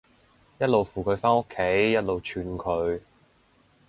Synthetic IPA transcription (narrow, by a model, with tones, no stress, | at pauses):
jɐ˥t̚lo˨wfuː˨˩kʰɵ˨˧ɥfaː˥no˥kʰːe˨˥jːɐ˥t̚lo˨wt͡ʃʰyː˧nkʰɵ˨˧ɥ